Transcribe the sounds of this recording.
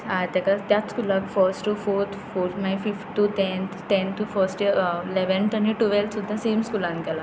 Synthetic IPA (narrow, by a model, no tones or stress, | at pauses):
aːjt̪ɐkat̪jat̪skuːlaːkfʰɐɾsʈufoːɾt̪ʰfoːɾt̪ʰmajfifʈʈut̪ent̪ʰt̪ent̪ufɐɾsʈleʋenʈɐnːiʈuʋelt̪sud̪ʱaseːmskuːlankɛla